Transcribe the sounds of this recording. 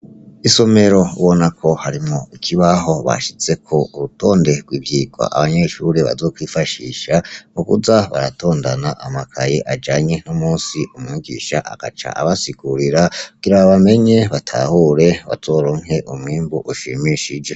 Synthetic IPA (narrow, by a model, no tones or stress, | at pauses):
iso̞me̞ɾo̞uβo̞nakʰo̞haɾimoikʰiβaɦo̞βa̰ʃit͡se̞kʰo̞ʔuɾuto̞ːnde̞ɡwiːbjiːɡwa̰ʔaβaɲe̞ʃuɾeβa̰zo̞ːkwifaʃḭːʃamukṵzaβa̰ɾato̞ːndanaʔamakʰajeʔad͡ʒaːɲe̞nomuːnsiʔumŋiɡḭːʃa̰ʔa̰ɡ̥at͡ʃa̰ʔaβasiɡ̥uɾiɾaɡ̥iɾaβaβame̞ɲe̞βatʰa̰huːɾe̞βa̰zo̞ːɾo̞ŋe̞ʔumwiːmbuʔuʃḭmiʃid͡ʒe̞